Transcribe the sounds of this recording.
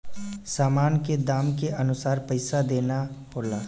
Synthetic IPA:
saːmaːnked̪aːmkeʔɐnʊsaːɾpəɪsad̪eːnaboːlaː

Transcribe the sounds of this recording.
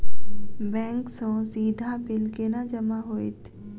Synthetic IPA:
bɛ̃ːŋksõsiːd̪ʱabɪlkenad͡ʒɐmaɦoːḭt̪ʰ

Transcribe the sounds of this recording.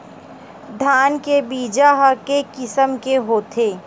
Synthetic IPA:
d̪ʱaːnkebiːd͡ʒaɦɐkekɪsəmkeɦoːt̪ʰeː

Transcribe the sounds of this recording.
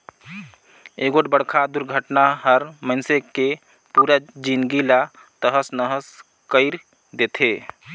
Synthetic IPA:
eɡoʈbəɽkʰad̪uɾɡʱəʈnaɦəɾməɪnseke | puɾad͡ʒinɡila | t̪əɦəsnəɦəs | kəɪɾ | d̪et̪ʰe

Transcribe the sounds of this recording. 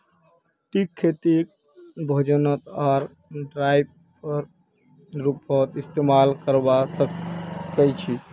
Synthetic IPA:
ʈikʰːet̪ik | bʱod͡ʒənət̪aɾ | ɖɾajb̚ | pəɾ | ɾupət̪ist̪emalkəɾbasəkət͡ʃʰi

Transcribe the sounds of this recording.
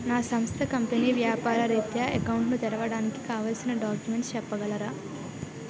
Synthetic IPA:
naːsɐmst̪ʰɐkɐmpeniːʋjaːpaːɾɐɾeːt̪jaːekɐwɳʈnut̪ɐɾɐʋɐɽaːniki̥kaːʋaːlsinɐɖaːkjume̞ɳʈst͡ʃɛpːɐɡɐlɐɾaː

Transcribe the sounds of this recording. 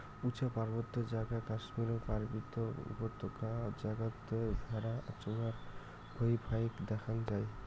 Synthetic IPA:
ut͡ʃapaɾbɔt̪ːed͡ʒaɡakasmiɾɔpaɾbit̪ɔṵpɔt̪ʰːɔkad͡ʒaɡat̪ːeɡʱaɾaa̰t͡ʃunaɾ | bʱojbʱajkd̪ɛkʰand͡ʒaj

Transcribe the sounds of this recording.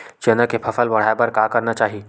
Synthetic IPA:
t͡ʃenəkepʰɐfəlbɐɽ̤aːebɐɾkakɐɾnat͡ʃaːɦie

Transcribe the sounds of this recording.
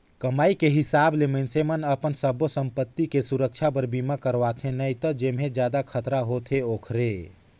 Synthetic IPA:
kəmaːikeɦɪsablemensemənəpənsəbosəmpət̪ːikesuɾək̚t͡ʃʰapəɾbimakəɾʋat̪ʰẽnəit̪əd͡ʒemɦẽd͡ʒjaːd̪akʰət̪ɾaɦot̪ʰeoːkʰɾe

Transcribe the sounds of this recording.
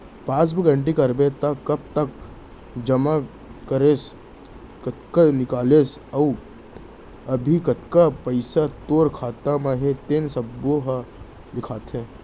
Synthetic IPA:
pãːsbəɡə̃ɳʈikɐɾbet̪ɐkːɐb̚t̪ɐk | d͡ʒɐma | kəɾes | kət̪kanɪkaːleːsɐu | ɐbʱikɐt̪kapəɪsat̪oːɾkʰaːt̪amãɦet̪ensɐboɦa | d̪ɪkʰaːt̪ɦẽː

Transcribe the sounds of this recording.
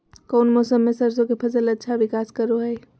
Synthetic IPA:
kəʊnmɔsəmːesəɾsõkepʰəzələtːʃʰaʋɪkaːskəɾoɦəj

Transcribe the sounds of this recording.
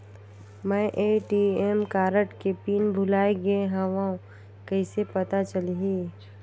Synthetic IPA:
mɛ̃ʔeʈiemkaːɾəʈkepiːnbʱʊlaːeɡɐẽɦɐ̃ʋãːõ | kɐɪsepɐt̪at͡ʃɐliɦiː

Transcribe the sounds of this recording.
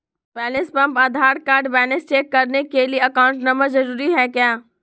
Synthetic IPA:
bɛːlɪspɐ̃mpad̪ʱaːɾkaːɾɖbɛːnɪsʈeːkːɐɾnekelieɐkaːʊ̃ɳʈnɐməɾzɐɾuːɾiɦɛːkjaː

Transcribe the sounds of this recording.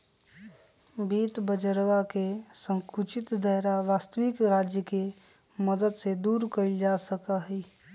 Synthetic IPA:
biːt̪bəd͡ʒəɾʋakesə̃ŋkut͡ʃɪt̪d̪əɦɾaʋaːst̪əʋɪkɾaːd͡ʒjəke | məd̪əd̪sed̪uːɾkəɾid͡ʒasəkaɦɛː

